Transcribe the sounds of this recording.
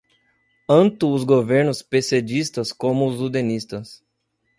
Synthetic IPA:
t̪ɐ̃nt̪ʊːzɡoveɾnʊspesed͡ʒist̪ɐskõmʊːzud̪enist̪ɐs

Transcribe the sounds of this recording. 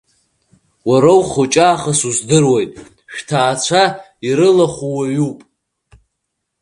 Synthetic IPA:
waɾawχot͡ʃʼaːχasuzdɨrwajtʼ | ʃᶣtʰaːt͡ʃʷʰa | iɾɨlaχʷuwaɥupʼ

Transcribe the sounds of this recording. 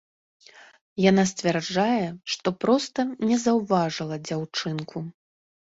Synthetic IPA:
janasʲt͡sʲvʲɛrd͡ʐajɛʂt̪ɔpɾɔst̪ɐnʲɛzɐwvaʐɨlˠɐd͡zʲawt͡ʂɨnkʰu

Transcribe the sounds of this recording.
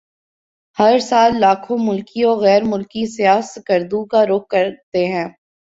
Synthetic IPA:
hɐɾsaːlːaːkʰõmʊlkiɔːɣɛːɾmʊlkisijaːskəɾd̪ukaɾʊk̚ːɐɾt̪eɦɛ̃ː

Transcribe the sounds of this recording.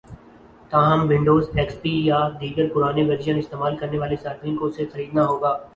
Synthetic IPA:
t̪aːɦəmʋɪ̃ɳɖoːzʈɛːkspiːjad̪iːɡəɾpʊɾaːneʋɐɾd͡ʒjənɪst̪eːmaːlkɐɾneʋaːlesaːɾd̪ɾĩkosexɐɾiːd̪naɦoːɡaː

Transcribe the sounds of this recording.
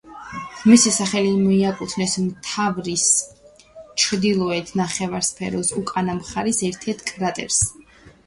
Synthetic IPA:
ʁmisisaχɛlimɔiakʼut̪ʰnɛsmt̪ʰavɾis | t͡ʃʰɾd̪ilˠɔɛt̪ʰnaχɛvaɾspʰɛɾɔsukʼanamχaɾisɛɾt̪ʰɛɾt̪ʰkʼɾat̪ʼɛ̰ɾs

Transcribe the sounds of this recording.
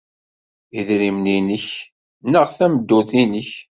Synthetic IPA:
iðɾimninəç | nəʁθæməd̪ːʊθinəç

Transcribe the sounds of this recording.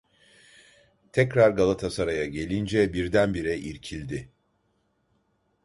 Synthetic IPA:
t̪ʰɛcɾaɾɡalˠat̪ʰasaɾajaɟe̞lʲind͡ʒɛbiɾd̪ænbiɾɛʔiɾcʰilʲd̪ɪ

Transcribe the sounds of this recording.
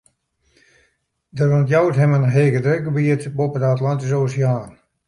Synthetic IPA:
dərʋɔntjawtɦɛmənɦeːkədrøɡəbiətbopədatlantis̬oːsjaːn

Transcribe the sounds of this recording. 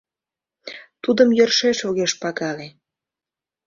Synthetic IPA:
t̪ud̪əmjərʃeʃoɣeʃpɑɣɑle

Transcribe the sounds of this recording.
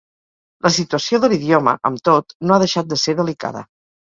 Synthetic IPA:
lʔəsit̪uəsioðəliðiomə̰ʔəmt̪ot̪noaðəʃat̪̚d̪əseɾðəlika̰ðə̰

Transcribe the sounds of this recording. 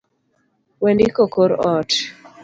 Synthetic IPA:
wɛndikokoɾɔt

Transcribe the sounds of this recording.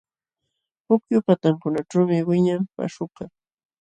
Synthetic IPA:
hʊkjʊpat̪aŋkʊnaʈ͡ʂawmɪwɪɲampa̰ʃʊka

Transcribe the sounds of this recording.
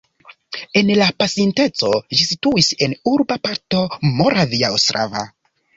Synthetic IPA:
e̞nlapasinte̞t͡so̞ʒisituise̞nuɾbapaɾto̞mo̞ɾaviaostɾʔa̰va̰

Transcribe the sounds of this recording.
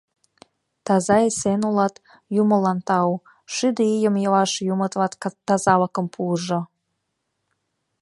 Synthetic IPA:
t̪ɑzɑjsenulɑt̪ | juməlɑnt̪ɑw | ʃyd̪əijəmjəvɑʃjumət̪vɑt̪ːɑzɑlɑkɤ̆mpʰuʒo

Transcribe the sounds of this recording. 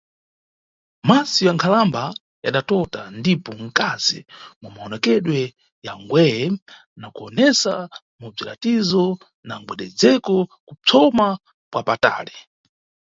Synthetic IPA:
masijaŋkʰalamba | jaɗatɔtandipɔŋ̩kazḭmumaɔnɛkɛɗwɛ | jaŋɡwɛjɛ | nakuɔnɛsa | mub͡ʐila̰tizɔ | naŋɡwɛɗɛd͡zɛkɔkut͡sʰɔma | pwapata̰ːli

